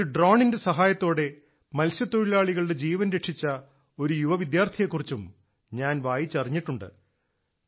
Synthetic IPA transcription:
uɖroːɳinde̞sɐɦaːjɐt̪ːo̞ːɽe̞ | mɐlsjɐt̪ːoɻilaːɭiɣɐɭɽed͡ʑiːʋɐnɾeʈʂit͡ɕːɐ | o̞ɾujuʋɐʋid̪jaːrt̪ʰijekːurit͡ɕːum | ɲaːnʋaːjit͡ɕːɐriɲːiʈːuɳɖɨ̰

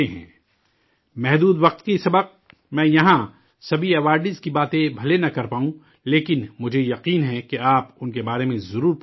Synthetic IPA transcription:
eɦɛ̃ː | mɛɦd̪uːd̪ʋɐq̚t̪kisɐbəq̚ | mɛ̃ːjɐɦã | sɐbʱiɛʋaːɾɖɪzkibaːt̪ẽbʱɐlenɐkɐɾpaːũ | leːkɪnmʊd͡ʒʱejɐqiːnɦɛkeaːpʊnkebaːɾemẽzɐɾuːɾp

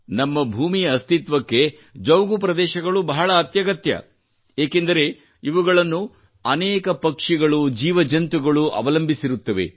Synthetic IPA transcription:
nɐmːɐbʱuːmijɐɐst̪ʰit̪ʋɐkːe̞ | d͡ʒɐwɡupɾɐd̪ɛːʃɐɡɐɭubɐɦɐɭɐːt̪jɐɡɐt̪jɐ̰ | eːke̞nd̪ɐɾe̞ | iʋuɡɐɭɐnːu | ɐnɛːkɐpɐkʂiɡɐɭud͡ʒiːʋɐd͡ʒɐnt̪uɡɐɭuɐ̰ʋɐlɐmbʱisiɾut̪ːɐʋe̞̰

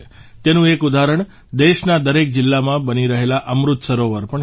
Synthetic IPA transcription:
t̪enũekud̪aɾəɳ | d̪eʃnad̪əɾek̚d͡ʒɪlːamãbəniɾəɦelaʔəmɾut̪səɾoʋəɾpəɳ

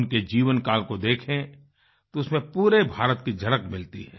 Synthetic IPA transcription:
nked͡ʒiːʋənkaːlkod̪eːkʰẽ | t̪oʊsmẽpuːɾebʱaːɾət̪̚kid͡ʒɐɽəkmɪlt̪ḭɦɛ̰ː

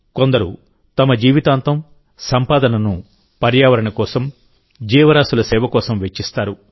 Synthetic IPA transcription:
ko̞nd̪ɐɾu | t̪ɐmɐd͡ʒiːʋit̪aːnt̪ɐm | sɐmpaːd̪ɐnɐnu | pɐɾjaːʋɐɾɐɳɐkɔːsɐm | d͡ʒiːʋɐɾaːsulɐsɛːʋɐkɔːsɐmʋet͡ʃːist̪aːɾu

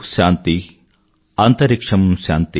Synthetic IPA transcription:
ʃaːnt̪i | ant̪ɐɾikʂɐmumʃa̰ːnt̪i

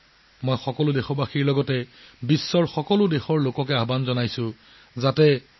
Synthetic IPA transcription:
mɔjxɔkɔlʊdexɔbaxiɹlɔɡɔtɛbisːɔɹxɔkɔlʊdexɔɹlokɔkɛabanzɔnajsʊ̃ | zatɛ

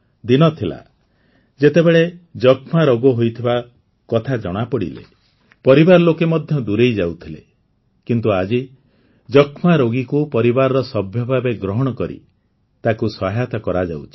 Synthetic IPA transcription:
d̪inɔt̪ʰila̰ | d͡ʒet̪ebeɭed͡ʒɔkʰmaɾoɡɔɦojt̪ʰiba | kɔt̪ʰad͡ʒɔɽ̃apɔɽḭlḛ | pɔɾibaɾɔlokemɔd̪ʱjɔd̪uɾejd͡ʒawt̪ʰile | kint̪uad͡ʒi | d͡ʒɔkʰmaɾoɡikupɔɾibaɾɔɾɔsɔbʱjɔbʱabeɡɾɔɦɔɽ̃ɔkɔɾḭ | t̪akusɔɦjat̪ɔkɔɾad͡ʒa̰wt͡ʃʰi̥

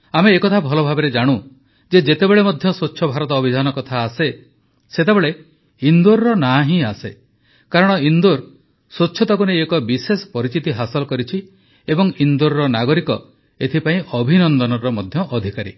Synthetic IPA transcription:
ameːkɔt̪ʰabʱɔlɔbʱabeɾed͡ʒaɽ̃u | d͡ʒed͡ʒet̪ebeɭemɔd̪ʱjɔsotːʰɔbʱaɾɔt̪ɔːbʱid͡ʒʱanɔkɔt̪ʰaːse | set̪ebeɭe | ind̪oɾɾɔnaɦĩase | kaɾɔɽ̃ɔind̪oɾ | sotːʃʰɔt̪ɔkuneekɔbisesɔ̥pɔɾit͡ʃit̪iɦasɔlɔkɔɾit͡ʃʰi | ebɔŋind̪uɾɾɔnaɡɔɾikɔ | et̪ʰipaĩʔɔbʱinɔnd̪ɔnɔɾɔmɔd̪ʱjɔʔɔd̪ʱikaɾḭ

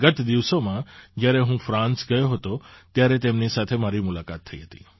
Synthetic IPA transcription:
ɡət̪d̪iʋsomãd͡ʒjaɾeɦũfɾãnsɡəjoɦət̪ot̪jaɾet̪emnisat̪ʰemaɾimʊlakat̪ʰːəḭɦət̪i̥̰

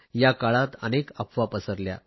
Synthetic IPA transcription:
jakaɭat̪ənekəpʰʋapəsəɾlja̰

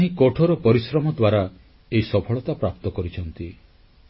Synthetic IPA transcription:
aɦĩkoʈʰɔɾɔpɔɾisɾɔmɔd̪waɾa | eisɔpʰɔɭɔt̪apɾap̚t̪ɔkɔɾit͡ʃʰɔnt̪i

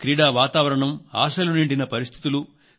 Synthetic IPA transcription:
kɾiːɽaːʋaːt̪aːʋɐɾɐɳɐma̰ːsɐluniɳɖinɐpɐɾist̪ʰi̥t̪ulu

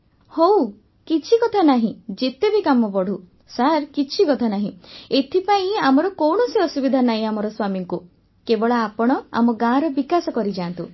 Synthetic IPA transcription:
how | kit͡ʃʰikɔt̪ʰanaɦĩd͡ʒet̪ebikamɔpɔɽ̤u | saɾkit͡ʃʰikɔt̪ʰanaɦĩet̪ʰipaĩamɔɾɔkɔwɳɔsiɔsubid̪ʱanaɦĩamɔɾɔswamiŋku | kebɔɭaːpɔɽ̃ɔa̰mɔɡãɾɔbikasɔkɔɾid͡ʒaːnt̪ṵ̃

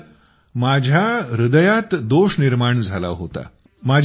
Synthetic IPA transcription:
mad͡ʑʱjaɾud̪əjat̪d̪oɕniɾmaɳd͡zʱala̰ɦo̰t̪a̰ | mad͡ʑʱ

